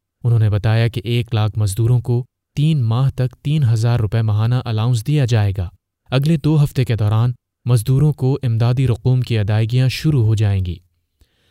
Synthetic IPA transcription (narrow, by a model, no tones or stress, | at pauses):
ʊnɦõːnebɐt̪aːjakeʔeːklaːkʰmɐzd̪uːɾõko | t̪iːnmaːɦt̪ɐkt̪iːnɦɐzaːɾːʊpɛmɐɦaːnaʔɐlaːʊ̃ns̬d̪ijad͡ʒaːeːɡaː | ɐɡled̪oːɦɐft̪eked̪ɔːɾaːn | mɐzd̪uːɾõkoʔɪmd̪aːd̪iɾʊquːmkiɐd̪aːɪɡijãʃʊɾuɦod͡ʒaːẽ̆ːɡḭː